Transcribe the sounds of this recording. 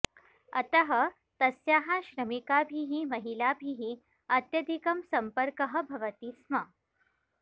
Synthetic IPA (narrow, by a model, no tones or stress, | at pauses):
ɐt̪ɐɦɐ̆ | t̪ɐsjaːɦaɕɾɐmikaːbʱiɦimɐɦilaːbʱiɦi | ɐt̪jɐd̪ʱikɐmsɐmpəɾkəɦɐ̆bʱɐʋɐt̪iːsmɐ